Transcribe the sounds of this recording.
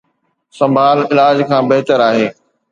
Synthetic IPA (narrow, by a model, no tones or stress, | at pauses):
sɐ̃mbʱaːlɪlaːd͡ʑkʰãːbɐɦɪt̪əɾaːɦeː